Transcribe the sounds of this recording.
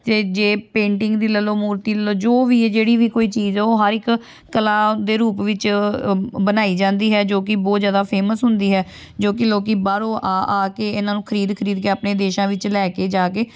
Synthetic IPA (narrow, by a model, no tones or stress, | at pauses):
t̪eːd͡ʒeːpẽːɳʈɪŋɡd̪iːləloːmuːɾt̪iːləloːd͡ʒoːʋiːd͡ʒeːɽiːʋiːkoːiːt͡ʃiːzoːɦəɾɪkː | əlãːd̪eːɾuːpʋɪt͡ʃ | bənaːiːd͡ʒãːnd̪iːɦɛːd͡ʒoːkɪbɔːt̪zjaːd̪aːpʰeːməsɦʊ̃nd̪iːɦɛː | d͡ʒoːkɪloːkiːbaːɾoːʔaːʔaːkeːɪnãːnũːkʰəɾiːd̪kʰəɾiːd̪keːaːpneːd̪eːʃãːʋɪt͡ʃlɛːkeːd͡ʒaːkeː